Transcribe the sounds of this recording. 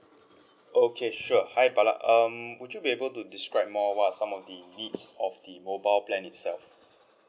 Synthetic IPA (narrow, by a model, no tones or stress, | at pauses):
ʔokʰeʃuəhajbala̰ʔʌmwudjubiebəltudiskɹaɪp̚mɔwatsãmɔfdənitsɔfdəmobaɪlplɛ̃nitsɛ̰lf